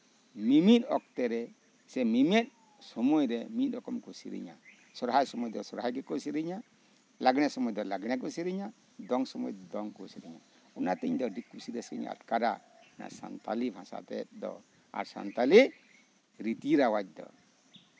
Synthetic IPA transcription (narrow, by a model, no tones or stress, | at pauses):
mimit̪ɔk̚t̪ɛɾɛ | sɛmimɛt̪̚ˀ | sɔmɔjɾɛmit̪̚ɔkɔmkusḭɾḭɲa̰ | sɔɾɦajsɔmɔjd̪ɔsɔɾhajɡɛkɔsiɾiɲa | laɡɽ̃ɛsɔmɔjd̪ɔlaɡɽɛk̬usiɾiɲa | d̪ɔŋsɔmɔ̰jd̪ɔd̪ɔŋkusiɾiɲa | ɔnat̪ɛɲd̪ɔɖikːusiɾɛsḭɲa̰a̰t̪kaɾa̰ | na̰sa̰nt̪alibʱãsa̰t̪ɛt̪̚d̪ɔ̰ | a̰ɾsa̰nt̪ali | ɾit̪iɾawac̚d̪ɔ̰